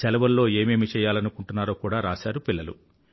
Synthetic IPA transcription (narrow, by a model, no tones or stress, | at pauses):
sɛlɐʋɐɾlo̞ːe̞ːmeːmit͡ʃɛːjːaːlɐnukuɳʈunːaːɾo̞ːkuːɽaːɾaːsaːɾupilːɐlṵ